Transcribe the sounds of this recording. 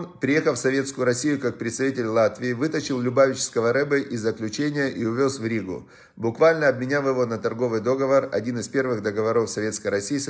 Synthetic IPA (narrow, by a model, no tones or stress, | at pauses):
npɾʲɪje̞xəlˠfsɐvʲe̞t̪skʊjʊɾɐsʲijʊkak̚pɾʲɪt̪st̪ɐvʲitʲɪlʲlˠat̪vʲɪɪvɨt̪ət͡ɕɪlˠlʲʊbavʲɪt͡ɕɪ̥skəvəɾɛbəʔɪzːəklʲʉt͡ɕenʲɪjəʔiʊvʲo̞svɾʲiɡʊ̰ | bʊkvalʲnəɐb̚mʲɪnʲafjɪvo̞nət̪ɐrɡo̞vɨjd̪o̞ɡəvərɐ̰dʲinɨspʲe̞rvɨɣd̪əɡəvɐɾo̞fsɐvʲe̞t̪skəjɾɐsʲiːɪs